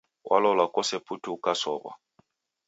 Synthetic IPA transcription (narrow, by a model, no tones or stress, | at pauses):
wʔa̰lɔlakʼɔsepʰʼutʰuukʼasɔba̰